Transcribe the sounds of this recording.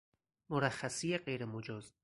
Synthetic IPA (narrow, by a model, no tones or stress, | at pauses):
moɾæχːæsijeɢejɾemod͡ʒɒːz